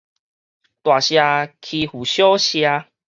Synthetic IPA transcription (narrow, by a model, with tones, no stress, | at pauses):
t̪wa˨˩ɕja˧kʰi˧hu˨˩ɕjɔ˦ɕja˧